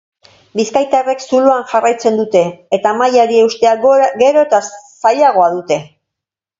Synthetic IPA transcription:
biskajt̪are̞ksuluaŋʝarajt͡se̞nd̪ut̪e̞ːt̪amajaɾie̞ust̪e̞aɡe̞ɾo̞et̪asaʎaɣ̞o̞aðut̪e̞

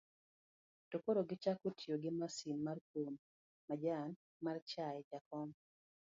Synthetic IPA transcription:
tokoɾoɡɪt͡ʃakotʰjoɡɪmasinmarkom | mad͡ʒan | mart͡ʃajɛd͡ʒakɔm

